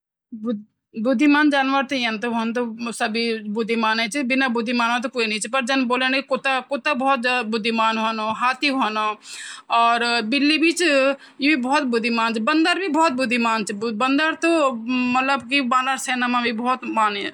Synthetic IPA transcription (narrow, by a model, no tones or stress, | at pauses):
bʊ | bʊd̪ʱːimaːnd͡ʒaːnʋəɾt̪oənt̪̬oɦont̪̬osɐbʱibʊd̪ʱːimaːnẽt͡ʃbɪnabʊd̪ʱːimaːnat̪̬okoːinəĩt͡ʃpɐɾd͡ʒɐnboːlənkikot̪akot̪abɔːt̪zaːd̪abʊd̪ʱːimaːnɦonoɦaːt̪iɦonoɔːɾbɪlːibʱit͡ʃ | jebibɔːt̪̚bʊd̪ʱimaːnt͡ʃʰbɐ̃nd̪əɾbʱibɔːt̪̚bʊd̪ʱːimaːnt͡ʃʰbənd̪əɾt̪omɐt̪ləbkibaːnaɾseːnamãbʱibɔːt̪maːne